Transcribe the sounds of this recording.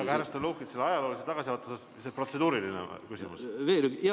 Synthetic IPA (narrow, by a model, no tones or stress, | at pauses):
ɑ̥ɑhæɾɑst̪oluːhkit̪selːɑjɑlo̞ːliset̪ɑɡ̥ɑsʲiɑt̪ːˑɑsɑs | sepro̞t̪se̞d̪uːɾilinḛkysʲimṵsveɾyɡ